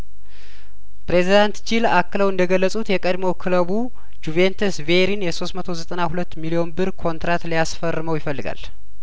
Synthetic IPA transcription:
pɾe̞zid̪ant̪d͡ʒilakːɨləwɨnd̪əɡəlːəsʼut̪jɛkʼəd̪mowkʰɨləβu | d͡ʒuvent̪ʰesveɾinjɛso̞st̪mət̪ʰo̞zət̪ʼənahulət̪ːmilio̞nbɨɾkʰo̞nt̪ɾat̪lijasfərːɨməwjɪfəlːɨɡa̰l

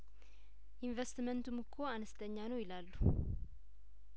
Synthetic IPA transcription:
ʔinvest̪mənt̪ʰumɨkʰːo̞anəst̪ʰʼəɲːanəwjɪlalːu

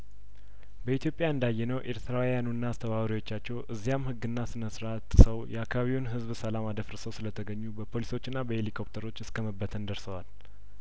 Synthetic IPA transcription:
bəit̪ʰjo̞pʼjaɨnd̪ajːɛnəwʔe̞ɾt̪ʰɨɾawjanunːaːst̪ʰəβaβɾiwo̞t͡ʃːat͡ʃːɛwʔɨzːijamhɨɡːɨnːasɨnəsɾat̪ʼːsəwjɛakʰːaβaβiwunɦɨzbsəlamad̪əfɾəsəwsɨlət̪ʰəɡəɲːubəpʰo̞liso̞t͡ʃːɨnːabəhelikʰo̞p̚t̪ʰəɾo̞t͡ʃːɨskʰəməbːət̪ʰənd̪əɾsəwal

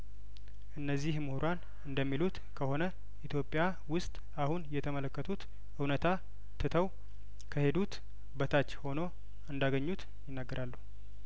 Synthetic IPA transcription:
ʔɨnːəzːihmɨhuɾan | ɨnd̪əmːilut̪ | kʰəho̞nə | ʔit̪ʰjo̞pʼːja | wʊst̪ʼ | ahunjɛt̪ʰəmələkːət̪ʰut̪ | ʔɨwnət̪ʰa | t̪ʰɨt̪ʰəw | kʰəhe̞d̪ut̪ | bət̪ʰat͡ʃːho̞no̞ | ɨnd̪aɡəɲːut̪ | jɪnːaɡːəɾʔalːuh

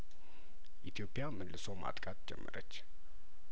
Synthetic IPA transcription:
ʔit̪ʰijo̞pʼːjamɨlːɨsoma̰t̪ʼkʼat̪d͡ʒɛ̰mːəɾət͡ʃː

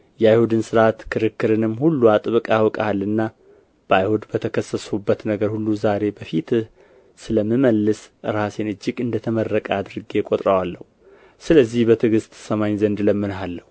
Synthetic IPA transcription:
jɛajhud̪ɨnsɨɾat̪kʰɨɾɨkːɨɾɨnɨmːhulːuat̪ʼɨβkʼawɔkʼahalːɨnːa | b̥ajhud̪bət̪ʰəkʰəsːəsubːət̪nəɡəɾhulːuzaɾe̞bəfit̪ɨh | sɨləmːɨməlːɨsɨɾasenɨd͡ʒːɪɡɨnd̪ət̪ʰəmərːəkʼad̪ɾɨɡekʼot̪ʼɾəwalːəhu | sɨləzːihbət̪ʰɨɡɨst̪səmaɲzənd̪ləmːɨnɦalːəhu

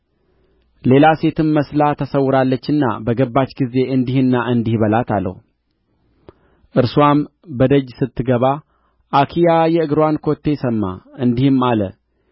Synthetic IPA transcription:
le̞lase̞t̪ʰɨmːəslat̪ʰəsəwːʊɾalːət͡ʃːɨnːa̰bəɡəbːat͡ʃːɡize̞ʔɨnd̪ihɨnːaʔɨnd̪ihbəlat̪ʰa̰lːə̰h | ʔɨɾsuam | bəd̪əd͡ʒsɨt̪ːɨɡəβa | ʔakʰijajɛɨɡɾowankʰo̞t̪ːe̞jsəmːa̰ʔɨnd̪ihɨmːalə̰

